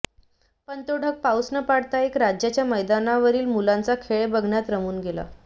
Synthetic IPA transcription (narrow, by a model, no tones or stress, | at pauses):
pənt̪oɖʱək̚pawsnəpaɽt̪aekɾad͡ʑjat͡ɕjaməjd̪anaʋəɾiːlmulãnt͡sakʰeɭebəɡʱɳjat̪ɾəmuːnɡela̰